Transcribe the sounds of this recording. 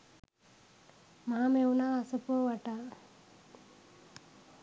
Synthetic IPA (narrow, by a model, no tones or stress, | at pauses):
maɦameunaːsəpuʋaʈaː